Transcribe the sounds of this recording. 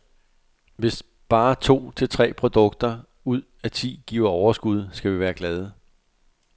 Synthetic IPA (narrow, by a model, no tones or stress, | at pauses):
ʋe̝s | b̥ɑ̈ːt͡sʰo̝̰ːt͡sʰe̝lt͡sʰʁɛ̰ːpʰʁo̝d̥ɔ̽ɡ̥̚d̥ɐ | uð̞̰ˠæt͡sʰḭːɡ̥ḭːʊ̰ɐɒʊɐsɡ̥uð̞̰ˠsɡ̥æʋiʋæːɐɡ̥lɛð̞ˠə